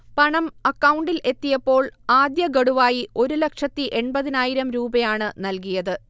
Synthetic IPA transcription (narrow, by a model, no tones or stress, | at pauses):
pɐɳɐmɐkːɐwuɳɖilʔe̞t̪ːijɐpːo̞ːɭaːd̪jɐɡɐɽuʋaːjio̞ɾulɐkʂɐt̪ːiʔe̞ɳbɐðinaːjiɾɐmɾuːbɐjaːɳɨnɐlkijɐðɨ